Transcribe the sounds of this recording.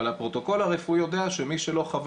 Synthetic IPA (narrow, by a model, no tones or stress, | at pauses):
alapʁo̞t̪o̞ko̞laʁefujod̪eaʃemiʃelo̞χav